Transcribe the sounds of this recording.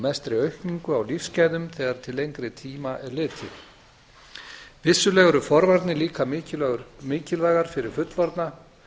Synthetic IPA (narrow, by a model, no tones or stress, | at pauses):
mɛst̪ɾɪœɥhkniŋkʏawlifscaːjðʏmθɛːɣaɾ̥t̪ʰɪlejŋkɾɪt̪ʰiːmaʔɛɾlɪːt̪ʰɪ | vɪsːʏlɛɣʏɾʏfɔɾvaɾt̪nɪliːka | mɪːcɪlvaːɣaɾ̥fɪɾɪɾ̥fʏt̪lvɔɾt̪na